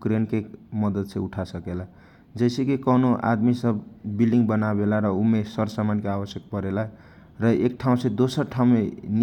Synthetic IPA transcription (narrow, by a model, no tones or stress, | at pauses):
kɾenkekmʌd̪ʌd̪sʰeuʈʰasʌkela | d͡zʌjsekikʌnuʔa̰d̪misʌbbilɖiŋɡbʌnabelaɾʌumesʌɾsamankaabʌsjʌk̚pʌɾela | rʌek̚ʈʰaw̃sed̪osʌɾʈʰawmen